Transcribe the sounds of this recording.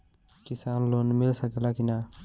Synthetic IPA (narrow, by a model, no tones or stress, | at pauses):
kisaːnlonmilsəkɛlakina